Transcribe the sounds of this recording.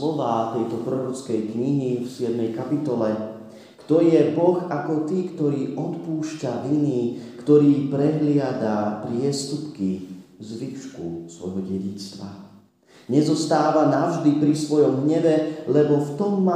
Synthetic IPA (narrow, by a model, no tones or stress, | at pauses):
ɔʋaːt̪ɛjt̪ɔpɾɔɾɔt͡skɛjkɲiɦifsɪɛd̪mɛjkapit̪ɔlɛ | kt̪ɔjɛbɔɣakɔt̪iːkt̪ɔɾiːʔɔt̪puːʃcaʋiniːkt̪ɔɾiːpɾɛɦlɪad̪apɾɪɛst̪upkizʋiʃkusʋɔ̰jɦɔɟɛɟit͡st̪ʋa̰ | ɲɛzɔst̪aːʋanaʊʒd̪ipɾisʋɔjɔmɦɲɛʋɛlɛbɔft̪ɔmːa